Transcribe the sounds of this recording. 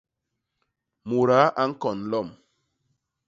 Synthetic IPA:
mu˨ɾa˨˦ʔa˦ŋ̩˦kɔ˨nlɔ˦˨m

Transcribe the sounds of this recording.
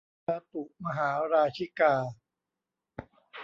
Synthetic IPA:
aː˧t̪u˨˩ma˧ɦaː˩˦ɾaː˧t͡ɕʰi˦˥kaː˧

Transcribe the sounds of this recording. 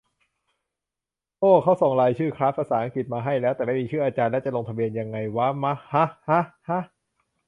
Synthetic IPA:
ʔoː˥˩kʰa˦˥wso˨˩ŋɾaː˧jt͡ɕʰɯː˥˩kʰɾaː˦˥pʰaː˧saː˩˦ʔa˧ŋki˨˩t̪̚maː˧ɦa˥˩jlɛː˦˥wt̪ɛː˨˩ma˥˩jmː˧t͡ɕʰɯː˥˩ʔaː˧t͡ɕaː˧nlɛː˦˥wt͡ɕa˨˩lo˧ŋt̪ʰa˧bi˧ənja˧ŋːa˧jwa˦˥ma˦˥ha˦˥ha˦˥ha˦˥

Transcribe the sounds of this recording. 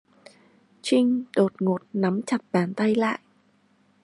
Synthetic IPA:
t͡ɕï˧ŋ̟ɗo˨˩t̚ŋo˨˩t̚na˨˦mt͡ɕa˨˩t̚ɓaː˧˩nt̪a˧jla̰ː˧˨jʔ

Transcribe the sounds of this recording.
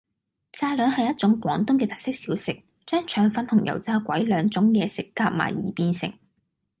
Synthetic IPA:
t͡saː˧lœː˨˥nhɐ˨jɐ˥t̚t͡sʊ˨˥ŋkʷɔː˨˥ŋt̪ʊ˥ŋkɛː˧t̪ɐ˨k̚sɪ˥k̚siː˨˥wsɪ˨k̚ | t͡ʃœː˥ŋt͡ʃʰœː˨˥ŋfɐ˨˧nt̪ʰʊ˨˩ŋjʔɐ̰˨˩wt͡saː˧˥kʷɐ̰˨˥jlœː˨˧ŋt͡sʊ˨˥ŋkɛː˧sɪ˨kːaː˧p̚ma̰ː˨˩jjiː˨˩piː˧nsɪ̰˨˩ŋ

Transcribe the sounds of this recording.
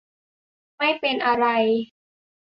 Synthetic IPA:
ma˥˩jpe˧nʔa˧ɾa˧j

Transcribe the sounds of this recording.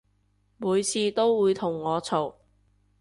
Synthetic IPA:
muː˨˧jt͡sʰiː˧t̪o˥wwuː˨˧jt̪ʰʊ˨˩ŋːɔː˨˧t͡sʰo˨˩w

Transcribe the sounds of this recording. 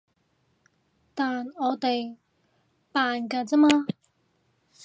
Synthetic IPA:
t̪aː˨nɔː˨˧t̪e˨j | paː˨nkaː˧t͡sɛ˥maː˧

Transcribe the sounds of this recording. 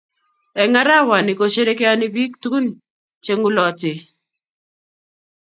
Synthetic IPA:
ɛ˨ŋa˦ɾa˦wa˨nɪ˨ko˨ʃe˦ɾe˦kɪ˦a˦nɪ˦bi˦kt̪u˦n | t͡ʃe˦ŋu˦lɔ˨tɪ˨

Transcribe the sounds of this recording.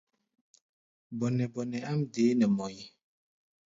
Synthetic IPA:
bɔ˨nɛ˨bɔ˨nɛ˨a˦mde˨˦nɛ˨mɔ˨ji˦

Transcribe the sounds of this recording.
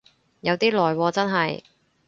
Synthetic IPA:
jɐ˨˧wt̪iː˥lɔː˨jwɔː˧t͡sɐ˥nɦɐ˨j

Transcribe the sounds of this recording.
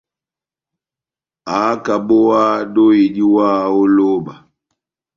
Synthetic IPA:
aː˨˦ka˨bo˦wa˦do˦i˨di˦waː˦˨o˦lo˦ba˨

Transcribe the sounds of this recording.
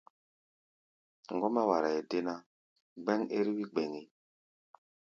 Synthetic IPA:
ŋ˨ɡo˦ma˦wa˨ɾa˨je˨de˦na˦ | ɡ͡be˦ŋe˦ɾi˦wi˦ɡ͡be˨ŋi˨

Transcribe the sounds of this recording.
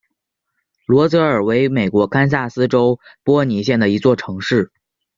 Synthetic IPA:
lwɔ˧˥t͡sɤ˧˥ə˞˨˩we˧˥ɪme˨˩ɪkwɔ˧˥kʰa˥ns̬a˥˩sɹ̩˥ʈ͡ʂo˥ʊpwɔ˥ni˧˥ɕ̬jɛ˥˩nd̪ə˩i˧˥t͡swɔ˥˩ʈ͡ʂʰɤ˧˥ŋʂɻ̩˥˩

